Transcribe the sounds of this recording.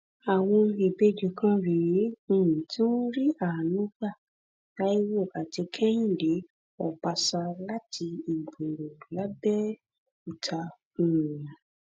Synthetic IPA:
a˨w̃ɔ̃˧e˨be˦d͡ʒe˨˧˦kã˦ɾĩ˨˦˨ĩ˨tĩ˦ɾi˦a˦˨nũ˨˦ɡ͡ba˦˨ | ta˦i˦wo˦˨a˨ti˧kʰɛ˦j̃ĩ˦˨de˨˦ | ɔ˨ba˧sa˧la˦tʰi˧i˨ɡ͡bo˨ɾo˨la˨˦bɛ˦ | u˦˨tʰa˧ | ũ˧˨ĩ˨ã˨

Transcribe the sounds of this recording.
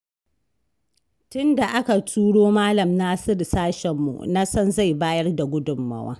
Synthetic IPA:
tʊ˦nda˨ʔa˦ka˨tʰuː˦ɽoː˦maː˦lɐ˨mna˦sɪ˦ɾsaː˦ʃɛ˨mːṵ˨na˦sɐ˦nza˦˨jbaː˦jɐ˦rda˨ɡʷʊ˦dʊ˨mːɐ̰˨wa̰ː˦

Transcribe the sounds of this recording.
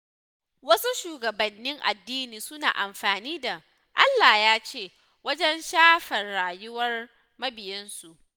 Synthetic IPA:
wɐ˦su˦ʃuː˨ɡɐ˨bɐ˨nːɪ˦ŋʔa̰˨dːiː˦niː˨sʊ˦na̰ː˨ʔa˨mɸaː˨niː˦da˨ | ʔa˦lːaː˨jaː˦t͡ʃeː˦˨ | wɐ˦d͡ʒɛ˦nʃaː˦ɸɐ˨rɽaː˨jʊ˦wɐ˦r | mɐ˦bɪ˨jɪ˦nsu˨ʔ

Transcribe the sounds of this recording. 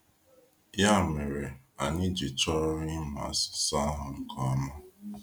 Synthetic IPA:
ja˦˨me˨ɾe˨a˨nɪ˦d͡ʒi˨t͡ʃɔ˦ɾɾɪ˦ma̰˨sʊ̥˨sa˦ɦʊ˨ŋ̩˨kʰɔ˦ma˦

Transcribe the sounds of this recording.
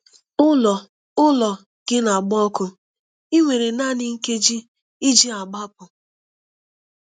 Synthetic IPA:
ʊ˦lɔ˨ | ʊ˦lɔ˨ | ɡ̥ɪ˦na˨ɡ͡bɔ˦kʊ˦ | i˦ŋʷe˨ɾe˨na˦nɪ˦ŋ̩˦ke˦d͡ʒi˦ | i˦d͡ʒi˦a˨ɡ͡ba˦pʊ˨

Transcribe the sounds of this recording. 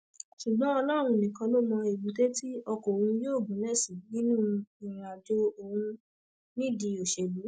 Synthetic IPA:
ʃu˨ɡ͡bɔ̃˨˦ɔ˧lɔ˦˨ɾ̃ũ˧nĩ˨kã˧lo˦mɔ̃˧e˨ɡ͡bu˨te˦ti˦ɔ˧ko˨ũ˧joː˦˨ɡũ˨˦lɛ˦˨si˨nĩ˦nũ˦˧i˨ɾ̃a˨d͡ʒo˧o˨hũ˧ | nĩ˦˨di˧o˨ʃe˨lu˨˦

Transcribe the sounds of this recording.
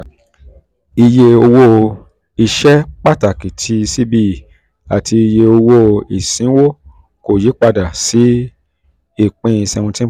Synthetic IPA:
i˧je˧o˧wo˦˧ | i˧ʃɛ˦k͡pa˦˨ta˦˨ki˨tʰi˧si˦bi˧˨ | a̰˨tʰi˧i˧je˧o˧wo˦i˨sĩ˨˦wo˦ | ko˨ji˨˦k͡pa˧da˨si˨˦ | i˦˨k͡pẽ˧˦ĩ˧sɛ̃˧ũ˧tĩ˦

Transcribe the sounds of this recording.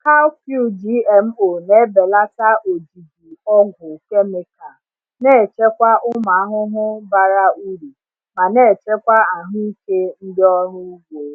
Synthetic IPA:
ka˦ku˦˨d͡ʒi˦e˨m̩˦o˨ne˦be˨la˦ta˦ʔo˨d͡ʒi˨di˨ɔ˦ɡʊ˨ke˦me˨ka˨ | ne˦˨t͡ʃe˦kʷa˦ʔʊ˦ma˨a˦ɦʊ˦ɦʊ˦ba˦ɾa˦u˦ɾi˨ | ma˨ne˦˨t͡ʃe˦kʷa˦a˨ɦʊ˦i˦ke˦n̩˦dɪ˦ɔ˦ɾʊ˦u˦ɡʷe˨

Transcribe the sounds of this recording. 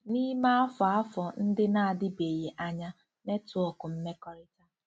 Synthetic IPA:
ni˦ma˦a˦fɔ˨a˦fɔ˨n̩˦dɪ˦na˦a˨dɪ˦be˨je˨ʔa˦ɲa˦ | me˦tʊ˨ɔ˨kʊ˨m̩˦me˦kɔ˦ɾɪ˦ta˦

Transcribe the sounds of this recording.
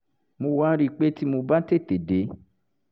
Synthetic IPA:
mũ˧˨wã˦ɾi˦˨k͡pe˦ti˦mõ˧ba˦te˦˨te˨de˨˦

